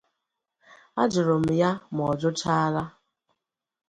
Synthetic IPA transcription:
a˦d͡ʒʊ˨ɾʊ˨m̩˨ja˦m˨ɔ˨d͡ʒʊ˦t͡ʃa˦ɾa˦

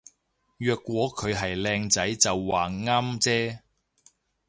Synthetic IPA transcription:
jœː˧kːʷwɔː˨˥kʰɵ˨˧ɥɦɐ˨jlɛː˧ŋt͡sɐ˨˥jt͡sɐ˨wːaː˨ŋaː˥mt͡sɛː˥

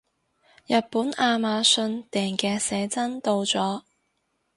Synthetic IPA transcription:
jɐ˨t̚puː˨˥naː˧maː˨˧sɵ˧nt̪ɛː˨˩ŋkɛː˧sɛː˨˧t͡sɐ˥nt̪o˧wt͡sɔː˨˥

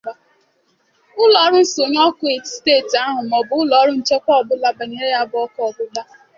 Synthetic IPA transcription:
a˦ | ʊ˦lɔ˨˦ɾʊ˦n̩˦so˨ɲ˦ɔ˦kʊ˦e˨steː˦˨ta˦ɦʊ˨mɔ˨bʊ˨ʊ˦lɔ˨˦ɾʊ˦n̩˦t͡ʃe˦kʷɔ˦ɔ˨bʊ˦la˦ba˨ɲe˨ɾe˦ja˦bʊ˨ɔ˦kɔ˨bʊ˦la˦

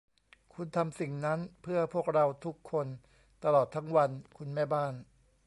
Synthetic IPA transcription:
kʰu˧nt̪ʰa˧msi˨˩ŋna˦˥npʰɯ˥˩əpʰu˥˩ək̚ɾa˧wt̪ʰu˦˥kʰːo˧n | t̪a˧lɔː˨˩t̪ʰːa˦˥ŋwa˧nkʰu˧nmɛː˥˩baː˥˩n

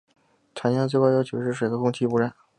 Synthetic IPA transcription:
ʈ͡ʂʰa˧˥njɑ˥˧t͡s̬we˥˧kwa˥˧ɪjo˥ʊt͡ɕʰu˧˨˩ʂɻ̩˥˩ʂwe˨˩ɪɡə˧˥kʊ˥ŋt͡ɕʰi˥˩pu˧˥ɻa˥˩n

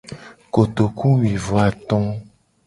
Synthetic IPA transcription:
ko˨t̪o˨ku˦wi˨vo˨a˨t̪ɔ̃˦

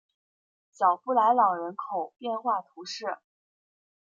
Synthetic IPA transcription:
ɕjɑ˨˩ʊpu˥˩la˧˥ɪlɑ˨˩ŋɻə˧˥nkʰo˨˩ʊpjɛ˥˧nxwa˥˩t̪ʰu˧˥ʂɻ̩˥˩

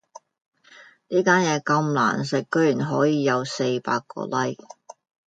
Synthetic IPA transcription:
niː˥kaː˥njɛː˨˧kɐ˧mla̰ː˨˩nsɪ˨k̚kːɵ˥ɥjyː˨˩nɦɔː˨˥jiː˨˧jɐ˨˧wse˧jpa̰ː˧kːɔ̰ː˧lɐ˥j

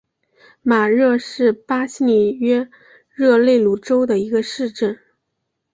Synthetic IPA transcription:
ma˨˩ɻɤ˥˧ʂɻ̩˥˩pa˥ɕi˥ni˨˩ɥɛ˥ | ɻɤ˥˧le˥˩ɪlu˥˩ʈ͡ʂo˥ʊd̪ə˨i˧˥ɡə˧ʂɻ̩˥˧ʈ͡ʂə˥˩n

